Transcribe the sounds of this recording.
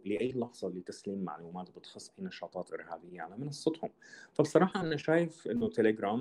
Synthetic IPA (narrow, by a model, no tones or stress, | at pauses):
lɪʔæjːlɑħz̥ˤɑlɪt̪ːæsliːmːa̰ʕluːmaːt̪bɪt̪xɑsˤːʔæjnɑʃɑːt̪ˤɑːt̪ʔɪ̰ɾhæːbɪjːaʕalæːmɑnɑsˤːɑt̪hʊmfæbsˤɑɾˤɑːħɑʔanæʃaːjɪfʔɪnːʊt̪eleɡɾˤæːm